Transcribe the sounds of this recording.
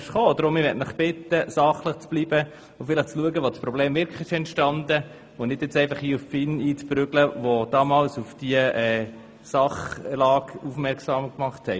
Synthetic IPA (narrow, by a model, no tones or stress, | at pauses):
ʃχoːd̪ɾʊmːɪɾʋɛtnəχb̥ɪt̪ːəsɑχləχt͡sb̥libə | ʊfɪləχt͡sluəɡəʋot͡spɾɔb̥leːmvɪɾkləɪʃɛntʃtɑnd̪ə | ʊnɪd̥jɪt͡sɛɪfɑχiːuffɪniːt͡spɾʏɡləʋod̥ɑːmɑːlsufd̥iəʔɛː | sɑχlɑːɡufmɛɾksɑːmkmɑχthɛɪ